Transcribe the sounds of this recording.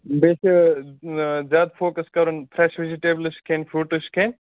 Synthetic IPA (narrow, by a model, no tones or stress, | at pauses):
bes | zjaːd̪pʰoːkɐskɐɾunpʰɾɛʃʋiziʈeblɨʃkʰenfʰɾuːʈuʃkʰeːn